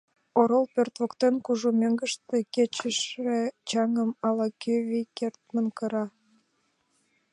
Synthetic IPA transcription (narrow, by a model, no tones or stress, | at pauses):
oɾolpørt̪βokt̪enkuʒumʲøŋɡəʃt̪eket͡ɕəʃet͡ɕɑŋəmɑlɑkyvikert̪̚mənkəɾɑ